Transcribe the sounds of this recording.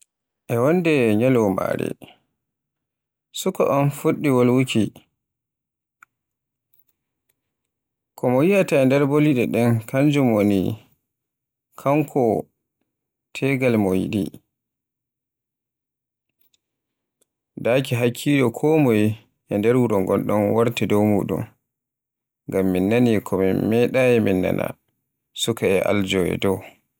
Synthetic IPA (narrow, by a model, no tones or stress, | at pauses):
ʔɛwɔndɛɲalɔma̰ɾɛ̰ | sukɔ̰ʔɔnfuɗːiwolwuki | kɔmɔjiataɛndɛɾboliɗɛɗɛnkʰand͡ʒumonḭ | kʰaŋkʰɔ | tʰɛɡalmɔjḭɗḭ | dakiɦakʰːid͡ʒɔkʰɔmɔji | ʔɛndɛɾwuɾɔŋɡɔnɗɔnwaɾtɛdɔwmṵːɗṵm | ŋɡamːinːanikʰɔmimɛɗajɛminːa̰na̰ | sukaɛʔa̰ld͡ʒɔjɛ̰dɔw